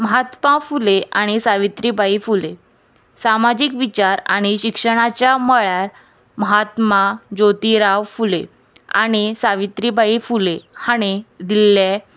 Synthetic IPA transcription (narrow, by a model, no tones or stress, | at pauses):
məɦat̪mãfuleaɽ̃isaʋit̪ɾibʱaifule | samad͡ʑikʋit͡ɕaɾa̰ɽ̃iɕikʂəɽ̃at͡ɕjaməɭaɾ | məɦat̪mad͡ʑot̪iɾaʋfule | a̰ɽ̃isaʋit̪ɾibʱaifulehaɽ̃ed̪ilːa